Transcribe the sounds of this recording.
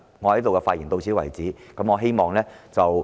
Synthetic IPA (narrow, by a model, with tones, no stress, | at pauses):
ŋɔ˨˧hɐ˨˥t̪o˨wkɛ˧faː˧t̚jiː˨˩nt̪o˧wsʰiː˨˥wɐ̰˨˩jt͡siː˨˥kɐ˨˥mŋɔː˨˧ɦe˥jmɔː˨˩ŋlɛː˥t͡sɐ˨w